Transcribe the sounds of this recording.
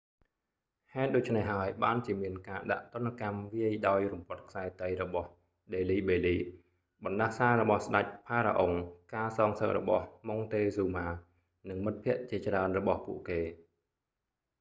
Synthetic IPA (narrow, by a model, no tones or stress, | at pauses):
haɛt̪̚ɗoːc̚t͡ɕʰnehɦaəjɓaːnt͡ɕiəmiənkaːɗa̰ʔt̪ŏənːkamʋiəjɗaɔjrumpŏət̪̚kʰsaɛt̪əjrɔɓɑh | ɗeːliːɓeːliː | ɓɑnɗahsaːɾɔɓɑhsɗac̚pʰaːɾa̰ʔoŋkaːsɑːŋsək̚rɔ̰ɓɑhmoŋt̪eːsuːmaː | nɨŋmɨt̪̚pʰĭəʔt͡ɕiət͡ɕraənrɔɓɑhpṵəʔkeː